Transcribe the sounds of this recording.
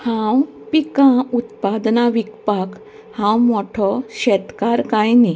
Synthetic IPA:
hãw | pikãut̪pad̪naʋikpak | hãwmɔʈʰɔɕɛt̪kaɾkãjni

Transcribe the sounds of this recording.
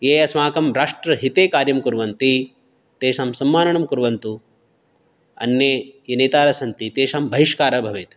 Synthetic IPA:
jeːjɐsmaːkɐmɾaːʂʈɾɐɦit̪eːkaːɾjɐmkuɾʋɐnt̪i | t̪eːʃaːmsɐmːaːnɐɳɐmkuɾʋɐnt̪u | ɐ̰njeːjɐneːt̪aːɾɐsɐnt̪it̪eːʃaːmbʱɐɦiʃkaːɾɐbʱɐʋeːt̪

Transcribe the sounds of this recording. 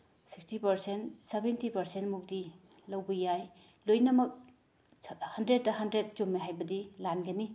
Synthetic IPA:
si̥kstipɐɾsentsebentipɐɾsentmuk̚dilɐwbɐjaj | lojnɐmɐk̚ | hɐndɾed̚ːɐɦɐndɾet̚t͡ʃomːiɦajbɐdilanɡɐni

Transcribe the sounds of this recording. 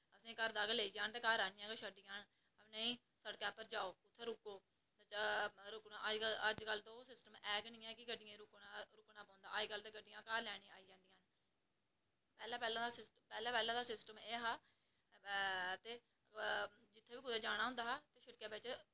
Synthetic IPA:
əsĩːkəɾd̪aːkːleːiːd͡ʒaːnt̪eːkaːɾaːnɪjãːkeʃəɖɪjãːn | əpneːĩː | səɖkɛːpəɾd͡ʒaːoːʊt̪ʰːeːɾʊkːoː | ɾʊknaːʔəd͡ʒəəd͡ʒkəlːt̪õːsɪsʈəmɛːɡnĩːɛːkɪɡəɖɪjãːɾʊkaɾʊknaːpãːnd̪a̰ːd͡ʒkəlːt̪eːɡəɖɪjãːkaːɾlɛːɽ̃iːaːiːd͡ʒãːnd̪ɪjãːn | pɛːlãːpɛːlãːd̪aːsɪs | pɛːlãːpɛːlãːd̪aːsɪsʈəmeːɦaː | t̪eː | d͡ʒɪt̪ʰːeːʋiːkʊd̪eːd͡ʒaːɽ̃aːɦʊ̃nd̪aːɦːt̪eːʃəɽkjaːbet͡ʃː

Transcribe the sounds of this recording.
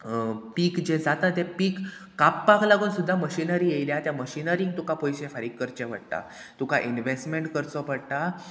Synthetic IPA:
piːkd͡ʑed͡zat̪at̪ɛpiːkː | apːaklaɡuːnsud̪ʱːaməɕinəɾiːjejljat̪jaməɕinəɾĩŋɡ̚t̪ukapojɕẽfəɾiːkːəɾt͡ɕẽʋə̰ɽt̪a̰ | t̪ukaʔinʋesʈmeɳʈkəɾt͡sɔpəɽt̪a

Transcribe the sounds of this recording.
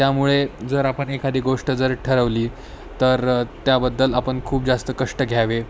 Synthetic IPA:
t̪jamuɭed͡zəɾapəɳekʰad̪iːɡoʂʈəd͡zəɾʈʰəɾəʋliː | t̪əɾt̪jabəd̪ːəlapəɳkʰuːp̚d͡zast̪əkəʂʈəɡʱjaʋe

